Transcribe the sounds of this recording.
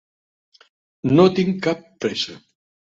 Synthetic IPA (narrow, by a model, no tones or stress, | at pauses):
not̪iŋkapːɾesa